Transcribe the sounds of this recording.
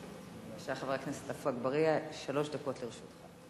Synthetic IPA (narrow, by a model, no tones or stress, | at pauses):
aʃaaχavaknese̥tafuaɡbaʁiaʃalo̞ʃd̪ako̞t̪liʁʃut̪χa